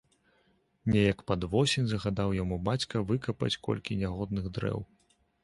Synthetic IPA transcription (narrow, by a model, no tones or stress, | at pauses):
nʲɛjɐkpad̪vɔsʲinʲzɐɣad̪awjamubat͡sʲkɐvɨkɐpɐ̰t͡sʲkɔ̰lʲkʲinʲaɣɔd̪̚nɨɣd̪ɾɛ̰w